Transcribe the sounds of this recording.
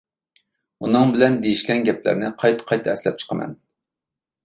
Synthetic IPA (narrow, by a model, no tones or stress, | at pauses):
unɨŋbɪlɛnd̪ejiʃkʲɛnɡʲɛp̚ʰlæ̰ɾnɪqʰɑjt̪ʰɑ̥qʰɑjt̪ʰɑɛslɛp̚t͡ʃʰə̥qʰəmɛ̰n